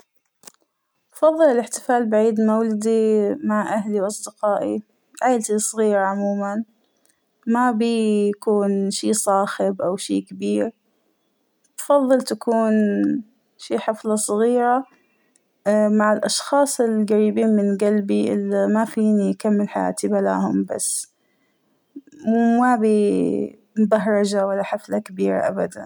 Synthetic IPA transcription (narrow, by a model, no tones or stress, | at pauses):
t̪fɑðˤːɨlɪlɪħt̪ɪ̥faːlbaʕiːd̪mawlad̪imaʕʔahliwʔɑsˤd̪ɪqɑːʔḭ | ʕaːlt̪isˤɣiːɾaʕʊmuːman | mabijakuːnʃiːsˤɑːxɪbʔawʃḭːkabiːɾ | t̪fɑðˤːɨlt̪akuːn | ʃiːħɪflɑsˤɑɣiːɾa | maʕɪlʔɑʃxɑːsˤɪlɡaɾiːbiːnmɪnɡalbiʔɪ̰lːamafiːnikamːɪlħaja̰ːt̪ibala̰ːhʊmba̰sː | mabi | mbaɦɾˤɑd͡ʒawalːaħɪflakabiːɾa̰ʔa̰bad̪a̰n